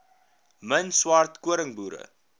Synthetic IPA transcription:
mənswartkuəɾəŋbuːɾə̰

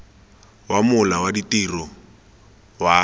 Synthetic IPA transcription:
wamʊlawaditʼirɔ | wa

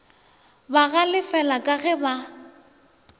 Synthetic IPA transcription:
baɣalɪfɛlakʼaɣɛba

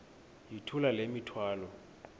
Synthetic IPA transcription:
jitʰulalemitʰwaːlɔ

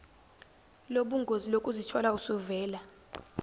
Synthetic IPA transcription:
loɓuŋɡʱozilokʼuzit͡ʃʰɔlausuvɛːla

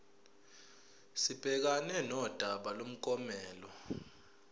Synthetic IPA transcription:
sib̥ʱɛk̬anɛnɔd̥ʱaɓalom̩k̬ʼɔmɛːlɔ

